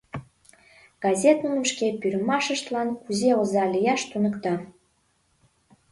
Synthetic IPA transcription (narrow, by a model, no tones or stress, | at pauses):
ɡ̥ɑzʲet̪nunəmʃkepyɾəmɑʃəʃt̪lɑnkuzeozɑlʲijɑʃt̪unəkt̪ɑ